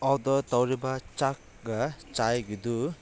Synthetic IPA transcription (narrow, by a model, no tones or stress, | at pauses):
ɔwd̪ɔt̪ɔwɾɛbat͡ʃak̚ | ɡat͡ʃajɡud̪u